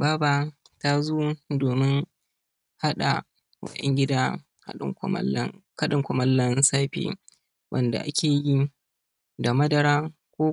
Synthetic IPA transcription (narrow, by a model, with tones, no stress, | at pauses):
baː˦baː˨ta˦zoː˦doː˨mɪ˦ŋ | ha˦ɗa̰˨ | kɔ̰˨ʔɛ̰˦ŋɡʲɪ˦daː˦ | ka̰˦ɪ̰˨˦kɐ˦ɗɪ˨ŋkʷʊ˨mɐ˦lːɐ˦nsaː˦ɸḭː˨ | wʔɐ̰˨nda̰˨ʔa̰˦kʲʰeː˨ji˦ | da˨mɐ˦dɐ˨ɾaː˦ | kʷoː˦